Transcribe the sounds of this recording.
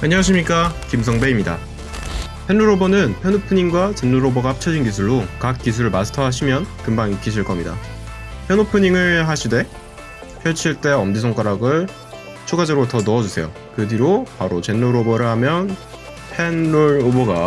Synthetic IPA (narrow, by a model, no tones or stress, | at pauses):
aɲʌwaɕ̬ʰimɲik͈akimsʰʌŋbeimɲida̰ | pʰe̞nːuɾobʌnɯnpʰjʌnopʰɯɲiŋɡwat͡ɕenːuɾoboɡaap̚t͡ɕʰʌd͡ʑinkis̬ʰuɭːokak̚k͈is̬ʰuɾɯɭmasʰɯ̥tʰʌɦaɕ̬ʰimjʌnkɯmbaŋik͈ʰːiɕʰiɭk͈ʌmɲida̰pʰjʌnopʰɯɲiŋɯɭɦaɕʰide̞ | pʰjʌɭt͡ɕʰiɭt͈e̞ʌmdis̬ʰoŋk͈aɾaɡɯɭ | t͡ɕʰuɡad͡ʑʌɡɾotʌnʌʌd͡ʑusʰe̞jo̰ | kɯdiɾopaɾot͡ɕe̞nːuɾobʌɾɯɭhamjʌn | pʰe̞nːuɾoboɡa